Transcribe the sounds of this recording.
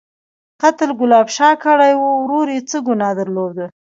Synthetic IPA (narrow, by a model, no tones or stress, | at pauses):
qat̪lɡʊlɑbʃɑkəɽajwəwɾoɾet͡səɡʊnɑd̪əɾlod̪ə